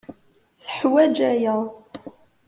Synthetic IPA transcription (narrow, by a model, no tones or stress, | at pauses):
θəħwæd͡ʒæjəʁˤ